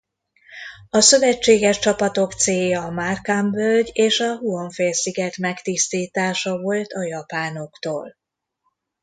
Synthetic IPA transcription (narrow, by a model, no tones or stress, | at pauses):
ɒsø̞vɛt͡ʃːeːɡɛʃt͡ʃɒpɒt̪o̞kt̪seːjɒːmarkambølɟeːʃɒɦuoɱfeːlsiɡɛt̪mɛkt̪ist̪iːt̪aːʃɒvo̞lt̪ɒjɒpaːno̞kt̪oːl